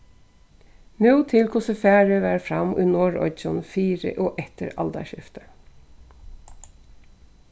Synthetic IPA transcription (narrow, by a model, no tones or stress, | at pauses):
nuːt̪ʰɪlkʰʊsəfæːɹəʋæːɾfɹɑmʔʉːnoːɹɔ̰ʏt͡ʃʊnfiːɹə̰ʔoːʔɛt̪əɾɑ̰ld̪ɑ̰ʃɪft̪ə